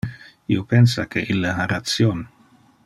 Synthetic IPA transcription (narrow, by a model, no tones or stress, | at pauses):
iopensakʰeʔilːaɦaɾat̪sjon